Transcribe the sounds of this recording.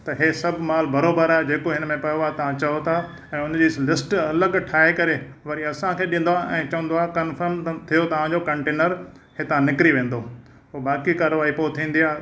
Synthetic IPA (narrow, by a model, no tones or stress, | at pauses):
t̪ɐɦeːsɐbʱmaːlbɐɾoːbəɾaːed͡ʑeːkoɦɪnmẽpɐjoaːt̪ɐʋ̤ãt͡ɕɐjot̪ʰa | ɛ̃ːʊnd͡ʑiːlɪsʈɐləɡʈʰaːɦekɐɾe | ʋɐɾiɐsãkʰeːɗĩn̆d̪oaʔɛ̃ːt͡ɕɐʋə̃nd̪oaːɦkɐnfəɾmt̪ʰijot̪ɐʋ̤ãd͡ʑokɐ̃ɳʈeːnəɾ | ɦeːt̪ɐʋ̤ãnɪkɾiʋẽːn̆d̪o | oːbaːkikaːɾoʋaːipoːt̪ʰĩːn̆d̪iaː